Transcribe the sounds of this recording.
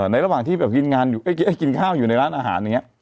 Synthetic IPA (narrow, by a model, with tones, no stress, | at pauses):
na˧jɾa˧˥waː˨˩ŋt̪ʰiː˥˩bɛː˨˩p̚ki˧nŋaː˧njuː˨˩ʔa˥˩jki˧˦˥ʔa˥˩jki˧nkʰaː˥˩wjuː˨˩na˧jɾaː˦˥nʔaː˧ɦa̰ː˩˦n˨˩ŋ˦˥